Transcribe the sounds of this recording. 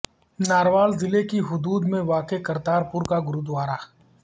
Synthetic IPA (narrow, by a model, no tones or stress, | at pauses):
naːɾʋaːlzɪlekiɦʊd̪uːd̪mẽʋaːkekɐɾt̪aːɾpʊɾkaɡʊɾud̪ʋaːɾaː